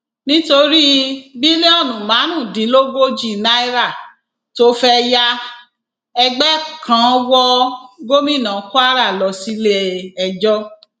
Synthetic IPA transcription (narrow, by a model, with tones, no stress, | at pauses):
nĩ˦to˧ɾi˦bi˦nĩ˦ɔ˦˨nũ˨mã˨˦nũ˦˨di˨˦lo˦ɡo˦d͡ʒi˦˨na˦i˦ɾa˦˨ | to˦fɛ˦ja˧ | ɛ˧ɡ͡bɛ˦kʰã˧˦wɔ˦ɡo˦mĩ˦˨nã˨˦ku˦a˦ɾa˦˨lɔ˨si˦le˦ɛ˧d͡ʒɔ˦